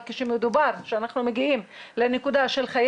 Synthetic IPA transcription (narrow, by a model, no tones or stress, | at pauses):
keʃemed̪ubaʁʃeanaχnumeɡiimlenekud̪aʃelχaj